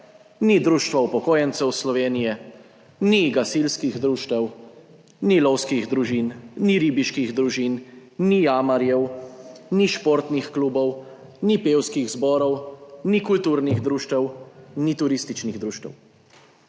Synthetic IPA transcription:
nid̪ɾuːʃt̪ʋawpɔkoːjɛnsɛwslɔʋeːnijɛ | niɡasilskiɣd̪ɾuːʃt̪ɛw | nilɔwskiɣd̪ɾuʒiːnːiɾibiʃkiɣd̪ɾuʒinnijaːmaɾjɛwniʃpoɾt̪nixkluːbɔw | nipeːwskiɣzbɔːɾɔwnikult̪uːɾniɣd̪ɾuːʃt̪ɛwnit̪uɾist̪it͡ʃniɣd̪ɾuːʃt̪ɛ̰w

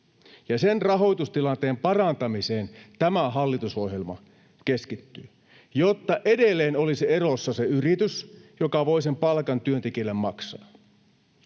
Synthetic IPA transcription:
jɑsenrɑɦo̞jt̪ust̪ilɑnt̪eːmpɑrɑnt̪ɑmise̞ːnt̪æmæɦɑlːit̪uso̞hɦje̞lmɑ̰ | ke̞skit̪ːyː | jot̪ːɑʔedelːe̞ːnolisie̞rosːɑseyrit̪ysjokɑʋo̞ise̞mpɑlkɑnt̪yønt̪ekilːemːɑksɑ̰ː

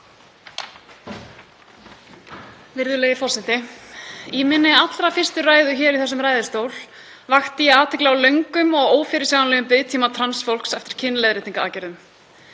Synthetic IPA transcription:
vɪɾðʏleːjɪfɔsɪnt̪ɪ | iːmɪnːɪat̪lɾafɪr̥st̪ʏraːjðʏçɛːɾiθɛsʏmɾaːjðɪst̪owl | vaxt̪ɪjɛaːt̪ʰɛklɛɣawlœɥŋkʏmɔɣoːwfɪɾɪ̥sjawanlɛɣʏmpɪðt̪ʰiːmat̪ʰɾansfowl̥ksɛft̪ɪɾ̥cʰɪnːlejðɾɪːt̪iŋkaaːcɛɾðʏm

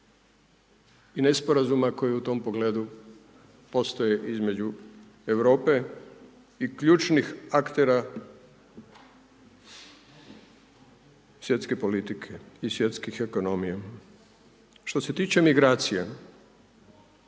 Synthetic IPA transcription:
inespoɾazumako̞jiut̪o̞mpo̞ɡleːd̪u | po̞st̪oje̞ʔizme̞d͡ʑu | eʋɾo̞ːpe̞ | ikʎuːt͡ʃnixakt̪e̞ɾa | sʋjet̪ske̞po̞lit̪ikʰe̞isʋje̞t̪skixeko̞no̞mije | ʃt̪o̞se̞t̪iːt͡ʃe̞miɡɾaːt̪sija

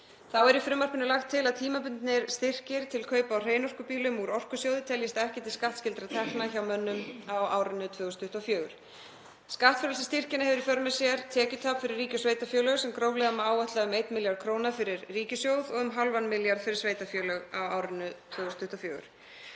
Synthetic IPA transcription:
θawɛɾifɾʏmːar̥pɪnʏlaxt̪ʰːɪlaðt̪ʰiːmapʏnt̪nɪɾst̪ɪr̥cɪɾ̥t̪ʰɪlkʰœːɥpaawr̥eːjnɔr̥kʏpiːlʏmuɾɔr̥kʏsjowðɪt̪ʰɛljɪst̪ɛhcɪt̪ɪlskaht̪scɪlt̪ɾat̪ʰɛhknaçawmœnːʏmawa̰ːwɾɪnːʏt̪ʰvœːɣʏst̪ʰʏht̪awfjœːɣʏɾ̥ | skaht̪fœɾlʏsɪst̪ir̥cɪnɪhɛvʏɾifœɾmɛ̥sjɛɾt̪ʰɛːcʏt̪ʰaːpfɪɾɪrːiːcʏsveːjt̪afjœːlœɣʏsɛmkɾoːwlɛɣamɛaːwvaht̪laʏmejt̪mɪljaɾkʰɾoːwnafɪɾɪɾːiːcʏsjowðɔɣʏmɦalvanmɪljaɾ̥fɪɾɪɾ̥sveːjt̪afjœːlœɣawaːwɾɪnʏt̪ʰvœːɣʏst̪ʏht̪awfjœːɣʏ̰ɾ̥

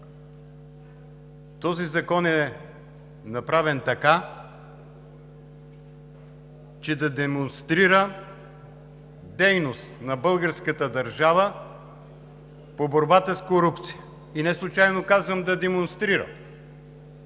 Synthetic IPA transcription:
t̪ɔzizɐkɔnɛ | nɐpɾavɛnt̪ɐka | t͡ʃɛd̪ɐd̪ɛmonst̪ɾiɾə | d̪ɛjnost̪nɐbəlˠɡəɾskət̪əd̪ɐɾʒavə | poboɾbat̪əskoɾupt̪si̥jə | inɛslˠʊt͡ʃajnokazvəmd̪ɐd̪ɛmonst̪ɾiɾə̰

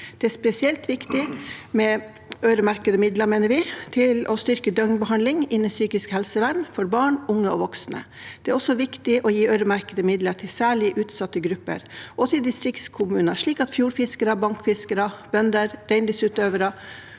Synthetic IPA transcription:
d̪̥ɛæspɛsɪɛlt̪ʋɪkt̪ɪmɛ | œʏɾəmæɾkəd̪əmɪd̪ləɾmeːnəɾʋɪt̪ʰɪlɔst̪ʏɾkəd̪œŋbəɦɑnlɪŋɪnːəsyːkɪskhɛlsəʋæɳfɔɾbɑːɳʊŋːəɔ̰ʋɔksnə̰̥ | ɛæːɾɔsːɔʋɪkt̪ɪʔɔjiːœʏɾəmæɾkəd̪əmɪd̪ləʈʰɪlsæːɭɪʔʉːt̪sɑt̪ːəɡɾʉpːə̰ɾʔɔt̪ʰɪld̪ɪst̪ɾɪkskʰʊmʉːnəʂɭiːkɑt̪fjuːɾfɪskəɾəbɑŋkfɪskəɾəb̥œnd̪əɾɾæɪnɪsʉːt̪øːʋəɾə

